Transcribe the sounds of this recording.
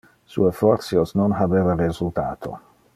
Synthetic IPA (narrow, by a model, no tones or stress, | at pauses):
sṵefɔrt̪sjosnonɦabeːvarezult̪a̰ːt̪ʰo̰